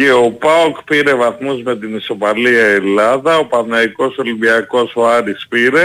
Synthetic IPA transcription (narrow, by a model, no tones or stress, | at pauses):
eo̞pɐokpiɾe̞vɐθmuzme̞t̪inisopɐliɐelɐðɐo̞pɐθnɐiko̞so̞limbiɐko̞soɐɾispiɾe̞